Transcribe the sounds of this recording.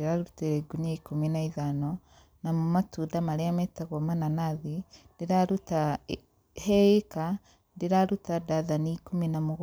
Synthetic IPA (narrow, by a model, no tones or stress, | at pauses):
eɾaɾuteɾeɡuniaikuminaiðanɔ | namumatudamaɾeamɛtaɣomananaðidiɾaɾuta | hɛeka | ndiɾaɾutadaðaniikuminamuɣ